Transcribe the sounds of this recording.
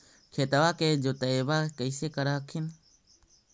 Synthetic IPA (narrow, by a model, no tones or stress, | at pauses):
kʰeːt̪əʋaːkeːd͡ʒoːt̪əeːʋaːkəɪseːkəɾaɦəkʰɪn